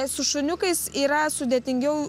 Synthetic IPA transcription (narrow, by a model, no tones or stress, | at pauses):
sʊʃʊnʲʊkɐɪsiːɾɐsʊd̪ʲeɛt̪ʲɪŋʲɡʲɛʊ